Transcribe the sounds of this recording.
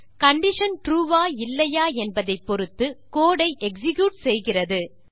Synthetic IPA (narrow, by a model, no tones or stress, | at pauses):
kɐɳɖɪʂɐnʈɾuːʋaːɪlːɐjaːɛnbɐðɐɪpːɔɾɯt̪ːɯkoːɽɐɪʔɛksɪɣjuːʈsɛjɣɪrɐðɯ